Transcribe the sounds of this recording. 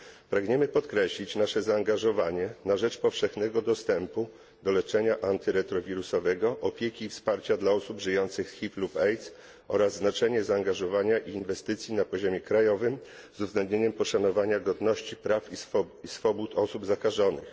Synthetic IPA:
pɾaɡɲɛmɘpɔt̪kɾɛɕlʲit͡ɕnaʂɛzaːŋɡaʐɔvaɲɛnaʐɛt͡ʂpɔfʂɛxnɛɡɔd̪ɔst̪ɛmpu | d̪ɔlɛt͡ʂɛɲaʔant̪ɘɾɛt̪ɾɔvʲiɾusɔvɛɡɔʔɔpʲjekʲiːfspaɾt͡ɕad̪laɔsubʐɘjɔnt̪sɘxsxʲiplupɛjt̪s | ɔ̰ɾazːnat͡ʂɛɲɛzaːŋɡaʐɔvaɲaʔiːnvɛst̪ɘt̪sʲjinapɔʑɔmʲjɛkɾajɔvɘm | zuvzɡlɛnd̪ɲeɲɛmpɔʂanɔvaɲaɡɔd̪nɔɕt͡ɕipɾafiisfɔbut̪ʰɔsubzakaʐɔnɘ̰x

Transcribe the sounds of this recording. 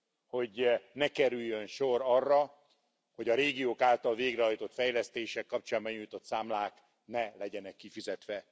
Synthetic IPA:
ho̞ɟnɛkɛɾyjːønʃorɒrːɒ | ho̞ɟɒɾeːɡioːkaːlt̪ɒlveːɡrɛɦɒjt̪o̞t̪fɛjlɛst̪eːʃɛkːɒp̚t͡ʃaːmbɒɲujt̪o̞t̪saːmlaːk | nɛlɛɟɛnɛkːifizɛt̪ʋɛ

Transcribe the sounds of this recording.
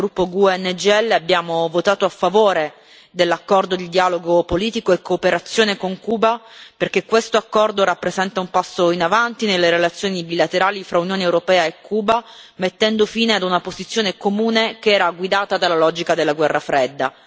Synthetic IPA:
ɾupːoɡuɛnːd͡ʒɛlːeabːjaːmovot̪aːt̪oafːavoːɾe | d̪elːakːɔrd̪od̪id̪iaːloɡopoliːt̪ikoekːoːpeɾat̪sːjoːnekoŋkuːbaperk̟ekːwest̪oakːɔrd̪oɾapːɾezɛnt̪aumpasːoinavant̪inelːeɾelat̪sːjoːnibilat̪eɾaːlifɾaunjoːnewɾopɛːaekːuːba | met̪ːɛnd̪ofiːnead̪unapozit̪sːjoːnekomuːnekeɛːɾaɡwid̪aːt̪ad̪alːalɔd͡ʒikad̪elːaɡwɛrːafɾɛd̪ːa̰

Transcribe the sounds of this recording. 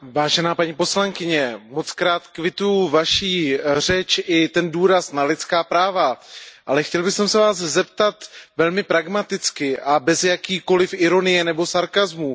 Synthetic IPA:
vaːʒɛnaːpaɲiːpo̞slaŋkɪɲɛmo̞t͡skɾaːt̪kvɪt̪ujuvaʃiːr̝ɛt͡ʃʔɪt̪ɛnduːɾasnalɪt̪t͡skaːpɾaːvaʔalɛxcɛlbɪxsɛmsɛvaːzzɛpt̪at̪vɛlmɪpɾaɡmat̪ɪt͡skɪʔabɛzjakiːko̞lɪfʔɪɾo̞nɪjɛnɛbo̞saɾkazmu

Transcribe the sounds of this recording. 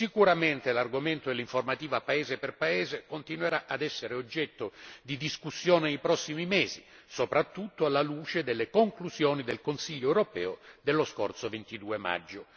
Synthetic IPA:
sikuɾament̪elarɡoment̪oelːiɱformat̪iːvapaeːzeperpaɛːzekont̪inweɾaʔad̪ɛsːeɾeod͡ʒːɛt̪ːod̪id̪iskusːjɔːnenejpɾɔsːimimɛːzḭ | sopɾat̪ːut̪ːoalːaluːt͡ʃed̪elːekoŋkluzjɔːnid̪elkonsiʎːoɛwɾopɛ̰ːʊd̪elːoskort̪sovent̪id̪uːema̰d͡ʒːʊ

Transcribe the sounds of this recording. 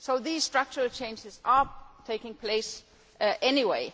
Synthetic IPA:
soʊðiːz̥stɹ̥ʌk̚t͡ʃəɹəlt͡ʃʰẽɪ̃nd͡ʒɪzatʰeɪkɪ̃ŋpʰleɪs | ʔɛniweɪ

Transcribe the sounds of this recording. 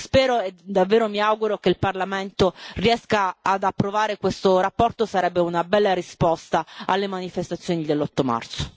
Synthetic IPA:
spɛːɾoed̪ːavːeːɾomiawɡuɾokeilparlament̪oriɛskaad̪apːɾovaːɾekwest̪oɾapːɔrt̪osaɾɛbːeunabɛlːaɾispɔst̪aalːemanifest̪at̪sːjoːnid̪elːɔt̪ːoma̰rt̪so̥

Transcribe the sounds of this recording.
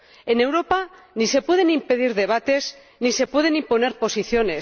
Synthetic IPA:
ene̞wɾo̞pa | nise̞pwe̞ð̞e̞nimpe̞ð̞iɾðe̞β̞at̪e̞z | nise̞pwe̞ð̞e̞nimpo̞ne̞ɾpo̞siθjo̞ne̞

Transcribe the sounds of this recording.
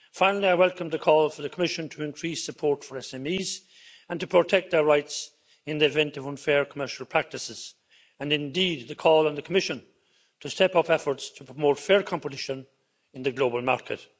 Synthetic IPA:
fãɪ̃nl̩ˠiaɪwɛlˠkə̃mðəkʰɔːlˠfə˞ðəkʰəmɪʃə̃ntʰəɪ̃nkʰɹ̥isəpʰɔɹtfə˞ɛsɛ̃miːz | ə̃ntʰəpʰɹ̥ətʰɛk̚t̪̚ðə˞ɹaɪts | ɪ̃nðiɨvɛ̃ntʌvʌ̃nfɛɹkʰəmɜ˞ʃəl̩ˠpʰɹ̥æk̚tɨsɪz̥ | ə̃nɪ̃ndid̪̚ðəkʰɔːlˠə̃nðəkʰəmɪʃə̃n | tʰəstɛpʌpɛfə˞tstʰəpʰɹ̥əmoʊtfɛːɹkʰɑ̃mpətɪʃə̃n | ɪ̃nðəɡloʊbəlˠmaɹkʰɨ̰t

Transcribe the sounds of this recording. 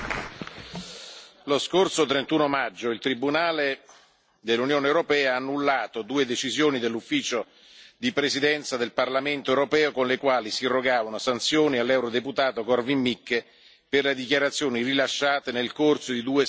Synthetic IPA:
loskorsot̪ɾent̪uːnomad͡ʒːoilt̪ɾibunaːle | d̪elːunjoːneːwɾopɛːaaːnːulːaːt̪od̪uːed̪et͡ʃizjoːnid̪elːufːiːt͡ʃo | d̪ipɾesid̪ɛnt̪sad̪elparlament̪oewɾopɛːokonlekwaːlisiirːoɡaːvanosant̪sjoːnialːɛwɾod̪eput̪aːt̪okɔrvimːikː | perled̪ikjaɾat̪sːjoːnirilaʃːaːt̪enelkorsod̪id̪uːe

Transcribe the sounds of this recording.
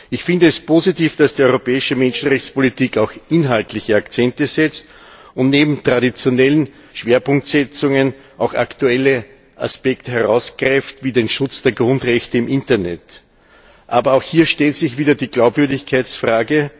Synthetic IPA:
ɪçfɪndəɛspʰozitiːfd̥asd̥iːɔʏʁopɛːɪʃəmɛnʃn̩ʁɛçt͡sspolitiːkaʊxʔɪnɦaltlɪçəakt͡sɛntəzɛt͡st | ʊntneːbm̩tʁ̥adit͡sjonɛlən | ʃv̥eːɐpʊŋk̚tsɛt͡sʊŋən | ʔaʊxa̰ktuɛlə | ʔa̰spɛktəɦɛʁaʊsɡ̥ʁɛftv̥iːdeːnʃʊt͡sd̥eːɐɡʁʊ̃ndʁɛçtəɪmʔɪntɐnɛ̰t | ʔaːbɐaʊxhiːɐʃtɛltsɪçv̥iːdɐdiːɡ̥laʊpv̥ʏɐdɪçkʰaɪt͡sfʁ̥aːɡə

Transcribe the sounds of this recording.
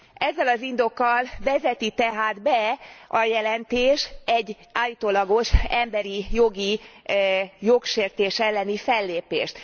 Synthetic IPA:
ɛzːɛlɒzind̪o̞kːɒlvɛzɛt̪it̪ɛɦaːd̪bɛʔɒjɛlɛnt̪eːʃɛɟː | aːlit̪oːlɒɡo̞ʃɛmbɛɾijo̞ɡi | jokʃeːrt̪eːʃɛlːɛnifɛlːeːpḛːʃt̪

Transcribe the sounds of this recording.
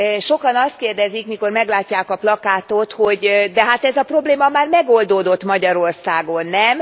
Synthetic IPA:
ʃo̞kɒnɒst̪̚keːrd̪ɛzikmiko̞rmɛɡlaːcːaːkɒplɒkaːt̪o̞t̪ho̞ɟd̪ɛɦat̪ɛzɒpro̞bleːmɒmaːrmɛɡold̪oːd̪o̞t̪mɒɟɒɾo̞rsaːɡo̞nːɛm

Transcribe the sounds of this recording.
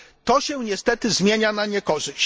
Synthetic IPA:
t̪ɔɕɛ̃ɲɛst̪ɛt̪ɘzmʲjeɲanaɲɛkɔʐɘɕ

